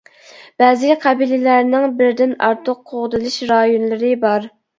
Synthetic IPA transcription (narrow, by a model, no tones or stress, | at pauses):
b̥ɛːzɪqʰæbilɪlæɾnɪŋbɪɾd̪ɪnɑ̰ɾt̪ʰʊqʰːoʁd̪ɨlˠɨʃɾɑjonlˠɨɾɨbɑɾ